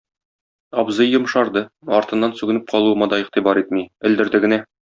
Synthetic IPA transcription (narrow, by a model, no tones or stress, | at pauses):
ɒbzɤjːŏmʃɑɾd̪ɤɒɾt̪ɤ̆nːɑnsʉɡɘ̆nɘp̚qʰɒlˠuɤ̆mɑd̪ɒiqt̪ibɑɾit̪̚miɘ̆ld̪ɘ̆ɾd̪ɘɡɘ̆næ